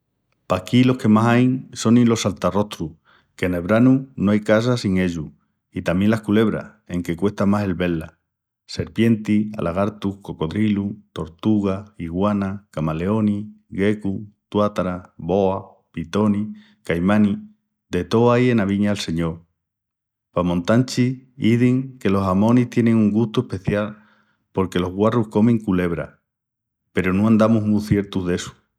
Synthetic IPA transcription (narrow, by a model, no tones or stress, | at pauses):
pakilo̞hkemasajŋso̞nĩlo̞salt̪aro̞ht̪ɾu | ke̞neβɾanunoajkas̬asiŋe̞ʎu | it̪amje̞nlahkule̞β̞ɾa̰he̞ŋke̞kwe̞ht̪amase̞lβe̞la | se̞ɾpje̞nt̪ia̰lʔaɣaɾt̪uhko̞ko̞ðɾilut̪o̞ɾt̪uɣ̞aiɣwanakamaleo̞ni | ɣe̞kut̪wat̪ɾaβo̞a | pit̪o̞ni | kajmani | d̪e̞t̪o̞aje̞naβiɲaːlse̞ɲo̞ɾ | pamõ̞nt̪ant͡ʃiiðiŋke̞lo̞samõ̞niht̪je̞ne̞ŋuŋɡust̪ue̞hpe̞θjal | po̞ɾke̞lo̞ɦɣwaruhko̞mẽ̞ŋkule̞β̞ɾa̰ | pe̞ɾonõãnd̪amuɦmuθje̞ɾt̪uzðe̞su̥